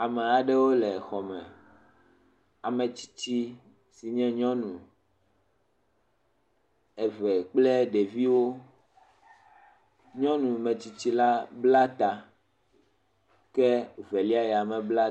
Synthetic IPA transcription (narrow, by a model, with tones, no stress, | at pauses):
a˨mɛ˨a˨ɖɛ˦wo˦lɛ˨xɔ˨mɛ̃˨ | a˨mɛ̃˨t͡ɕi̥˦t͡ɕi˦ | si˨ɲɛ̃˦ɲɔ̃˦nũ˨ | ɛ˨vɛ˨k͡plɛ˦ɖe˨vi˦wo˦ | ɲɔ̃˦nũ˨mɛ̃˨t͡ɕi˦t͡ɕi˦la˦bla˦t̪a˨ | kɛ˦vɛ˨li˦a˦jɛ˨a˨mɛ̃˨bla˦